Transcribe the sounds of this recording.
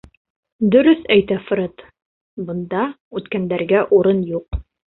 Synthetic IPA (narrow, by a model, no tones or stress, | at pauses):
d̪ɵ̆ɾɵθæjt̪æfɾɤt̪ | bɤ̆nd̪ɑ | ʉt̪kænd̪æɾɡæʔuɾɤnjuq